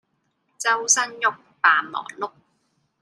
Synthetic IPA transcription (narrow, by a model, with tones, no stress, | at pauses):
t͡sɐ˥wsɐ˥njʊ˥k̚paː˨nmɔ̰ː˨˩ŋlʊ˥k̚